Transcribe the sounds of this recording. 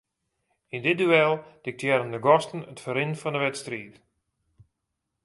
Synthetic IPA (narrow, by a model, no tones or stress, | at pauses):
indɪdyɛlˠd̥ɪk̚tʰjɛɾəndəɡɔstən̩ətfəɾɪnfɔndəʋɛtstriːt